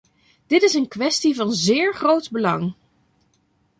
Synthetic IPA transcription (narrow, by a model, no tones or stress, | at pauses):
d̥ɪtɪsənkʋɛstivɑnzɪːɹχrowdbəlɑŋ